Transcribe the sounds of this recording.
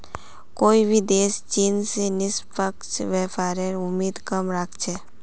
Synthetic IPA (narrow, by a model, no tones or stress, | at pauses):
koːibʱid̪eːst͡ʃiːnsenɪspəkt͡ʃʋɛːpaːɾeɾʊmːiːd̪kəmɾakʰt͡ʃʰɛː